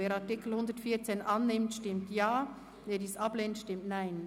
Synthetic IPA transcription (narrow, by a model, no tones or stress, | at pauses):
eːɾɑʁtɪkl̩hʊnd̪ətfiːt͡seːnʔɑnːɪmtʃtɪmtjaː | veːdiːsɑb̥leːntʃtɪmtnaɪn